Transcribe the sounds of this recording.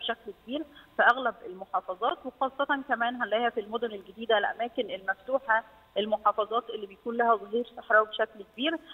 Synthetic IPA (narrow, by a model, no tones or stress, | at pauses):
beʃæklkebiːɾfæʔæɣlæbelmoħɑːfɑzˤɑːt̪wexɑːsˤːɑt̪ɑnkæmæːnɦænlæjhæfilmod̪onelɡed̪iːd̪æʔlʔæ̰mæːkenelmæft̪uːħɑ | ʔelmoħɑːfɑzˤɑːt̪ʔelːibejækuːnlæhæzˤɣiːɾsɑħɾˤɑːwbeʃæklkebiːɾ